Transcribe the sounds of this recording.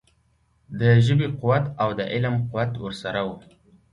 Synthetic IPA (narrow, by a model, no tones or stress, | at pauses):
d̪əʒəbiqʊwat̪awd̪əʔɪlmqʊwat̪wəɾsaɾawu